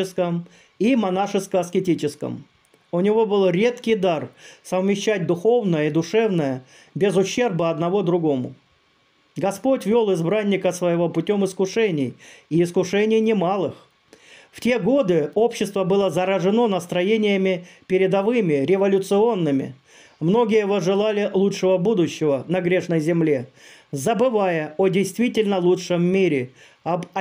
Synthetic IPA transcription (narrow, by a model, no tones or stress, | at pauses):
ɪskəm | imɐnaʂɨskəɐskʲɪtʲit͡ɕɪskə̰m | ʊnʲɪvo̞bɨlˠɾʲe̞t̪kʲɪjd̪arsəvmʲɪɕːæt̚ʲd̪ʊxo̞vnəjəid̪ʊʂɛvnəjə | bʲɪzʊɕːe̞rbəɐd̪nɐvod̪ɾʊɡo̞mʊ̰ | ɡɐspo̞tʲvʲolˠɪzbɾanʲːɪkəsvəjɪvopʊtʲomɪskʊʂɛnʲɪjɪːskʊʂɛnʲɪjnʲɪmalˠɨx | ftʲe̞ɡo̞d̪ɨo̞pɕːɪst̪vəbɨlˠəzəɾəʐɨno̞nəst̪ɾɐjenʲɪjəmʲɪpʲɪɾʲɪd̪ɐvɨmʲɪɾʲɪvɐlʲʊt̪sɨo̞nːɨmʲɪ̰ | mno̞ɡʲɪjəɪvoʐɨlˠalʲɪlˠutʂɨvəbud̪ʊɕːɪvənɐɡɾʲeʂnəjzʲɪmlʲezəbɨvajəodʲɪjst̪vʲitʲɪlʲnəlˠutʂəmːʲiɾʲɪ | ɐ